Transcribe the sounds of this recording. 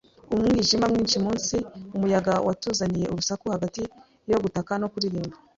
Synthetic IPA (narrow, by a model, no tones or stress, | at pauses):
umŋiʒimamŋiːnʃimuːnsiumujaɡawatuːzanije̞uβusakuhaɡati | jo̞ɡutakano̞kuɾiɾiːmba